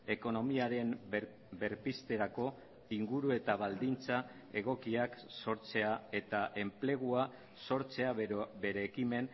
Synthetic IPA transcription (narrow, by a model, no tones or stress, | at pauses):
e̞ko̞no̞miaɾe̞m | be̞ɾpist̪e̞ɾako̞ | iŋɡuɾue̞t̪aβ̞ald̪int͡sa | e̞ɣo̞kiakso̞ɾt͡se̞ae̞t̪aʔe̞mple̞ɣ̞ua | so̞ɾt͡se̞abe̞ɾe̞ːkime̞n